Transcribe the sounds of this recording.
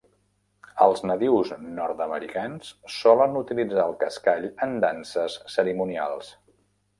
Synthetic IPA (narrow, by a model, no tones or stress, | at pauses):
əlˠznəðiwznɔɾt̪əməɾikansːɔlənut̪ilid͡zaəlˠkəskaʎənd̪ansəsːəɾimunia̰lˠs